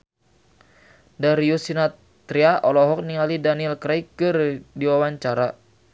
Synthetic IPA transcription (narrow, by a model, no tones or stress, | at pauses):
daɾiusina | t̪ɾiaʔɔlɔɦɔk̚niŋalidanilkɾaikɨrdiwawaɲt͡ʃaɾa